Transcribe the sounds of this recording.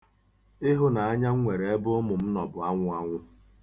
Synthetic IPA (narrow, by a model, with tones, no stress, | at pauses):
ɪ˦ɦʊ˦na˨a˦ɲa˦ŋ̩˦ŋʷe˨ɾe˨e˦bʊ˦ʊ˦mʊ˨m̩˦nɔ˨bʊ˨a˦ŋʷʊ˦a˦ŋʷʊ˦